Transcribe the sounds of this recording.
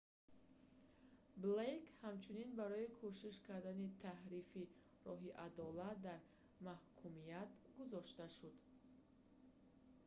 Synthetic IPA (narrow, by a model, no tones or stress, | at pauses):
blejkhamt͡ʃʰuninbaɾɔikʰoʃiʃkʰaɾd̪anit̪ʰahɾifi | ɾɔɦiʔad̪ɔlat̪̚d̪aɾ | mahkʰumijat̪ɡuzɔʃt̪aʃud̪